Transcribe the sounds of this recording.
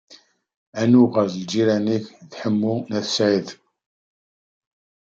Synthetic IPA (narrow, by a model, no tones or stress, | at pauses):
ænuʁəɾzid͡ʒiɾæniçðħəmːunæθsʕið